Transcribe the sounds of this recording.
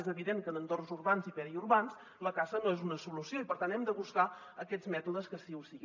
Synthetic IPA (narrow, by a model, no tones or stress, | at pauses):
ezəβiðeŋkənənt̪ornzurβanzipɛɾiuɾβans | ləkasənoezunəsulusioipəɾt̪anɛmd̪əβuskaəkɛd͡zmɛt̪uðəskəsiusiɣ